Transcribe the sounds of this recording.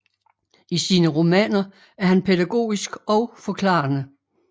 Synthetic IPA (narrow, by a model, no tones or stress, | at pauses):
isiːnəʁo̝mɛ̰ːnɐ | æɐɦænpʰedæɡ̥o̝̰ːisɡ̥ɒ̽ʊfɒ̽kʰlɑ̰̈ːnə